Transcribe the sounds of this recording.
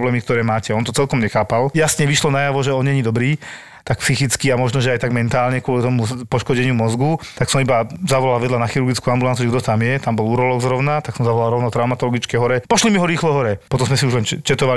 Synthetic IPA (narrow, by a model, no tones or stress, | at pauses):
blɛːmik̚t̪ɔɾɛːmaːcɛɔnt̪ɔt͡sɛlkɔmɲɛxaːpaljasɲɛʋiʃlɔnajaʋɔʒɛɔnɲɛɲid̪ɔbɾiː | t̪ak̚psixit͡skiamɔʒnɔʒɛajt̪aɡmɛnt̪aːlɲɛkʊɔlit̪ɔmupɔʃkɔɟɛɲɪumɔzɡut̪aksɔmibazaʋɔlalʋɛd̪lanaxiɾuɾɡit͡skuambulant͡siuʒɛɡd̪ɔt̪amjɛt̪ambɔluːɾɔlɔɡzɾɔʊnat̪aksɔmzaʋɔlalɾɔʊnɔt̪ɾaʊmat̪ɔlɔɡit͡skɛjɦɔɾɛpɔʃlimiɦɔɾiːxlɔɦɔɾɛpɔt̪ɔmzmɛsiuʒlɛnt͡ʃɛt̪ɔʋa